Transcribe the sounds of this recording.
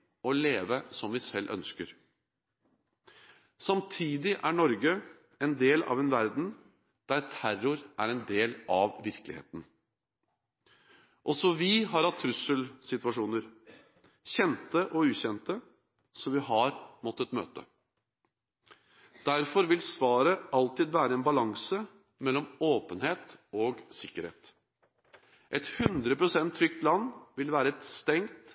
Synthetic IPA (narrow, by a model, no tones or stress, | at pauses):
ɔleːʋəsɔmʋɪsɛlːʔœ̰nskəɾ | sɑmt̪ʰiːd̪ɪʔæɳɔɾɡə | ɛnd̪eːlɑ̰ʋɛnʋæɾd̪n̩ | d̪̥æɾt̪ʰæɾʊɾʔæɾɛnd̪eːlɑʋʋɪɾkəlɪ̰hḛːt̪n̩ | ʔɔsɔʋɪɦɑɾhɑt̪ʰːɾʉsəlsɪt̪ʉɑʂuːnəɾ | ɕɛnt̪əʔɔʉːɕɛnt̪ə | sɔʋɪɦɑɾmɔt̪ːət̪mø̰ːt̪ə̰ | d̪̥æɾfɔɾʋɪlsʋɑːɾəʔɑlt̪ɪːd̪ʋæːɾəɛːnbɑlɑŋsə | mɛlːɔmoːpənheːt̪ɔɡsɪkːəɾhḛːt̪ | ʔɛt̪hʉnd̪ɾəpɾʊsɛnt̪ʰːɾʏk̚t̪lɑnːʋɪlʋæːɾəɛt̪st̪ɛŋt̪